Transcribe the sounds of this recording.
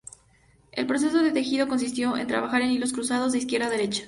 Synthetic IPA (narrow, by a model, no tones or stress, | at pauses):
e̞lpɾo̞se̞so̞ðet̪e̞xiðo̞ko̞ns̬is̬t̪jo̞ʔe̞nt̪ɾa̰βaxaɾe̞nilo̞s̬kɾusað̞o̞zðeis̬kje̞ɾðaðe̞ɾet͡ʃḁ